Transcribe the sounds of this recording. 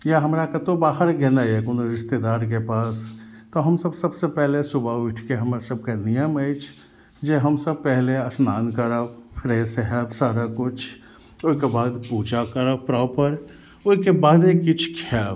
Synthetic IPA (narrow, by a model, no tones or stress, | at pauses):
jaɦɐmɾakat̪obaːɦəɾɡɛnajekʊnɾɪst̪ed̪aːɾk̬epaːst̪oɦɐmsɐbsɐbsepɛɦlesʊbaʊʈʰkeɦɐmɾsəb̚kanɪjəməit͡ʃʰ | d͡ʒeɦɐmsəb̚pɛɦleəsnaːnkəɾafʰɾeːseɦɛbsaːɾakʊt͡ʃʰ | ʊkebaːd̪puːd͡ʒakəɾəpɾɔːpəɾ | ʊnkebaːd̪ekɪt͡ʃʰkʰaː